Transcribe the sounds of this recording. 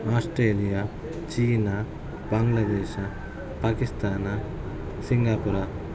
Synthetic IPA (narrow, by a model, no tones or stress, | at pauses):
aːsʈɾeːlijaː | t͡ʃiːna | bɐŋɡlɐd̪ɛːʃa | paːkist̪aːnɐ | siŋɡaːpuɾa